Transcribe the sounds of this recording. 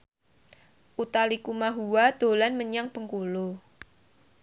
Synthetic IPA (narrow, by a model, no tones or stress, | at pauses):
ʔut̪alikumaɦuwad̪̥o̤lanməɲaŋpəŋkulo